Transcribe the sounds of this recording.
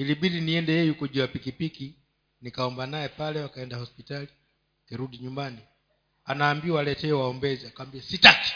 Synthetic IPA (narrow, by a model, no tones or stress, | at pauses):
iliɓiɗiniɛndɛjɛjukɔʄuapikipiki | nikaɔmbanajɛpalɛwakaɛndahɔspitali | tɛɾuɗiɲumbani | anaːmbiawalɛtɛːwaɔmbɛzɛakawambiasitaki̥